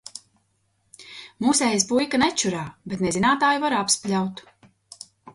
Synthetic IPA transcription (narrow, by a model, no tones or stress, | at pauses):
muːsɛjsbujkanɛt͡ʃːuɾaːbet̪nezinaːt̪aːjuvaɾapsplʲawt̪